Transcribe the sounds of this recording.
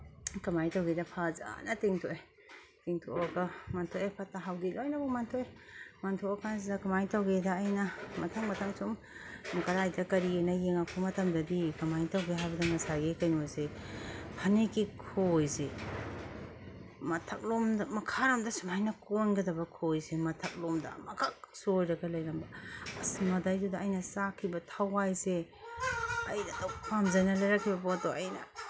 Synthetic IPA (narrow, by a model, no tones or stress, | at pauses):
kɐmajtawɡedɐpʰaza̰nɐtiŋtʰoe | tiŋtʰoaɡɐmantʰoepʰataɦawdilojnabɔmantʰojmantʰoakʰanz̬idɐkamajtawɡedaːjnɐmɐtʰaŋmɐtʰaŋsum | mɐkɐɾajdɐkɐɾinɐjeŋapʰumɐtʰɐmdɐbikɐmajtawɡeɦajbɐdɐmɐsaɡekɐjnojzehʰɐnekikʰojze | mɐtʰɐk̚lomdɐmɐkʰaɾomdɐsumajnɐkonɡɐdɐbɐkʰojzemɐtʰɐk̚lomdɐ̰mɐɡaksujɾɐɡɐlɐjɾɐmbɐɐsimɐdajdudɐːjnɐsakʰibɐtʰawajze | ɐjnɐdɔk̚pʰamzɐnɐlɐjɾakʰːibɐpotoɐjnɐ